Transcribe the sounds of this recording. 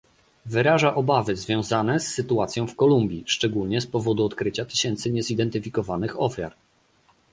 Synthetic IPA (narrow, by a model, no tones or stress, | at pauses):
vɘɾaʐaʔɔbavɘzvʲjɔ̃w̃zanɛsːɘt̪uat̪sʲjɔ̃w̃fkɔlumbʲjiʂt͡ʂɛɡulɲɛspɔvɔd̪uɔt̪kɾɘt͡ɕat̪ɘ̥ɕɛnt̪sɘɲɛzid̪ɛnt̪ɘfʲikɔvanɘxɔfʲja̰ɾ